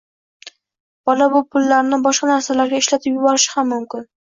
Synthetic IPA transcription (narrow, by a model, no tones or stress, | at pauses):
b̥ɒlabʊpʰʊlːaɾnɪbɒʃqɑnaɾsalaɾɡʲaɪʃlat̪ʰɪpjʊbɒɾɪʃɪ̥hamːʊmkʲɪn